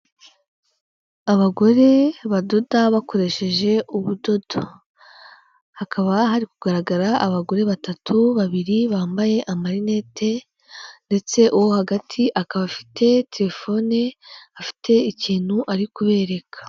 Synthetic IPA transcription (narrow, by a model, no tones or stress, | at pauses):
aβaɡo̞ɾe̞βado̞daβako̞ɾe̞ʃe̞ʒe̞ʔuβudo̞do | hakaβaɦaɾikuɡaɾaɡaɾaʔaβaɡo̞ɾe̞βatatʰuβaβiɾiβaːmbaje̞ʔamaɾine̞te̞ | nde̞t͡se̞ʔuwo̞haɡatʰiʔakaβafi̥tʰe̞te̞ɾe̞fo̞neafi̥te̞iciːn̥huʔaɾikuβe̞ːɾe̞kʰḁ